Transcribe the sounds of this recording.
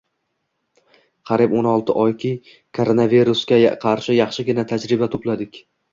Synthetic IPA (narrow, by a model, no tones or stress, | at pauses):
qʰɑɾibonɒlˠt̪ʰɪʔɒjkʲʰɪ | kʰoɾonaviɾuskʲaqʰɑɾʃɪjɑχʃɪɡʲɪnat̪ʰad͡ʒɾɪbat̪ʰoplad̪ɪkʲ